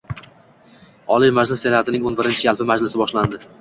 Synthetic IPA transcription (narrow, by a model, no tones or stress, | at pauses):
ɒlimad͡ʒlɪsːe̞nat̪ʰɪnɪŋonbɪɾɪnt͡ʃʰɪalˠpɪmad͡ʒlɪsɪbɒʃland̪ɪ